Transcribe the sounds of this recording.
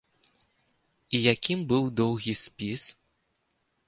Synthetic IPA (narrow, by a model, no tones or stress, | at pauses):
ijakʲimbɨwd̪ɔwɣʲisʲpʲis